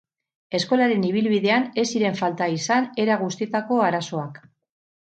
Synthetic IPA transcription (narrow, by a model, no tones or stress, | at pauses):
e̞sko̞laɾe̞niβ̞ilβiðe̞ane̞siɾe̞ɱfalt̪aisane̞ɾaɣ̞ust̪it̪ako̞aɾaso̞ak